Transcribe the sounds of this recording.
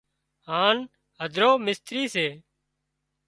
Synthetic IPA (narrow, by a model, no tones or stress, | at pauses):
ɦaːn | ɦəd̪ʱɾoːmɪst̪ɾiːseː